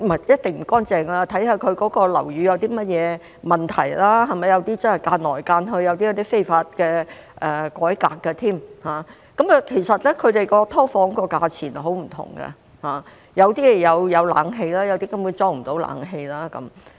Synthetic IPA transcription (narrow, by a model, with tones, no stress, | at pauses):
mɐ˨˩jɐ˥t̚t̪ɪ˨˩ŋm̩˨˩kɔː˥nt͡sɛː˨˧ŋɐ˧la˧t̪ʰɐ˨˥jhɐ˨˧kʰɵ˨˧ɥkɔː˨˥kɔː˧lɐ̰˨˩wjyː˨˧jɐ˨˧wt̪iː˥mɐ˥t̚jɛː˨˧ | mɐ˨nt̪ʰɐ˨˩jlaː˥ɦɐ˨jmɐ˨˩jɐ˨˧wt̪iː˥t͡sɐ˥nhɐ˨˩jkaː˧nnɔː˨˩jkaː˧nɦɵ˧ɥjɐ˨˧wt̪i˥ɐ˨˧wt̪i˥fe˥jfaː˧t̚kɛː˧ | ʔɛː˨˩kɔː˨˥jkaː˧kːɐ˧t̪ʰiː˥˩mhaː˨˩ | kɐ˨˥mkːkʰe˨˩jsɐ˨t̚lɛ˥kʰɵ˨˧ɥt̪e˨jkɔː˧t̪ʰɔː˥fɔː˨˥ŋkɔː˧kaː˧t͡sʰiː˨˩nɦo˨˥wm̩˨˩t̪ʰʊ̰˨˩ŋɡɐ̰˧ | haː˨ | jɐ˨˧wt̪iː˥jɛ˨˧jɐ˨˧wjɐ˨˧wla̰ː˨˥ŋɦe˧jlaː˥jɐ˨˧wt̪iː˥kɐ˥mwuː˨˧˦t͡sɔː˥ŋ̚m̩˨˩t̪o˨˥wla̰ː˨˥ŋɦe˧jlaː˥kɐ̰˨˥m